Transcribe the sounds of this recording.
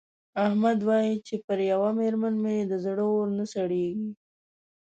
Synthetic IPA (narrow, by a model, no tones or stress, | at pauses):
ahmad̪wɑjit͡ʃepəɾjawameɾmanmed̪əzɽəoɾnəsaɽeɡi